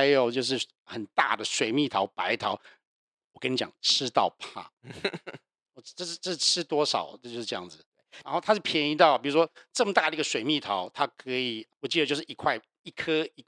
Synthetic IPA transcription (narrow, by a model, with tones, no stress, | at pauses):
a˧˥ɪjo˨˩ʊt͡ɕjo˥˧ʊʂ̬ɻ̩˥˩ | xə˨˩nt̪a̰˥˩d̪ə˩ʂwe˨˩ɪmi˥˩t̪ʰɑ˧˥ʊpa˧˥ɪt̪ʰɑ˨˥˦ʊ | wɔ˨˩kə˥ni˧˥t͡ɕjɑ̰˨˩ŋʈ͡ʂʰɻ̩˥t̪ɑ˥˧ʊpʰa̰˥˩ | ɔ˨˩˥ʈ͡ʂɤ˥˧ʂ̩˥˧ʈ͡ʂə˥˧ʂ̩˥˧˩ʈ͡ʂʰɻ̩˥t̪wɔ˥ʂɑ̰˨˩˦ʊjo˥˧ʂɻ̩˥˧ʈ͡ʂɤ˥˧jɑ̰˥˩ŋd͡z̩˩t̪we˥˩ɪa˧˥nxo˥˩a˥ʂpʰjɛ˧˥ni˧˥t̪ɑ˥˩ʊpi˨˩u˦˥ʂwɔ˥ʈ͡ʂə˥˩mə˩t̪a˥˩d̪ə˩˧˥ɡə˧ʂwe˨˩ɪmi˥˩t̪ʰɑ˧˥˦ʊt̪ʰa˥kʰɤ˧˥i˨˩wɔ˨˩t͡ɕi˥˩d̪ət͡ɕjo˥˧ʊʂɻ̩˥˩˨i˧˥kʰwa˥˩ɪ | i˥˩kʰə˥i˧˩